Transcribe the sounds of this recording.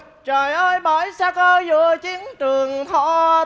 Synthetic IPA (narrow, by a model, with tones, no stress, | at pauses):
t͡ɕə˨˩jʔəː˧jɓɔ˧˨˩jsaː˧kə˧zṵ˧˨ət͡ɕi˨˦ənt͡ɕɨ˨˩əŋt̪ʰɔ̰˧˩˦